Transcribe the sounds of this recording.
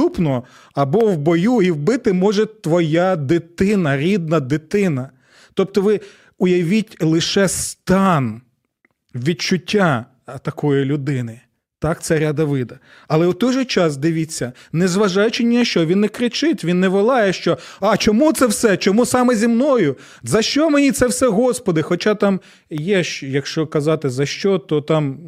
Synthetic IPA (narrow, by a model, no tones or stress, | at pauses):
t̪upnɔɦɔ | ɐbɔwbɔjuiwbɪt̪ɪmɔʒɛt̪ʋɔjad̪ɪt̪ɪnɐɾʲid̪̚nɐd̪ɪt̪ɪnɐ | t̪ɔp̚t̪ɔʋɪ | ʊjɐʋʲitʲlˠɪʃɛst̪ɑn | ʋʲid̚t͡ʃʊtʲːa | t̪ɐkɔjilʲʊd̪ɪnɪ | t̪ɑkt̪sɛɾʲad̪ɐʋɪd̪ɐ | ɐlˠɛʊt̪ɔjʒɛt͡ʃɑs̬d̪ɪʋʲit͡sʲːɐnɛzʋɐʒɑjʊt͡ʃɪnʲinɐʃt͡ʃɔʋʲinːɛkɾɪt͡ʃɪtʲʋʲinːɛʋɔlˠɑjɛʃt͡ʃɔɑt͡ʃɔmut̪sɛwsɛt͡ʃɔmusɑmɛzʲimnɔjʊ | zɐʃt͡ʃɔmenʲit̪sɛwsɛɦɔspɔd̪ɪxɔt͡ʃɑt̪ɑm | jɛʃjɐkʃt͡ʃɔkɐzɑt̪ɪzɐʃt͡ʃɔt̪ɔt̪ɑm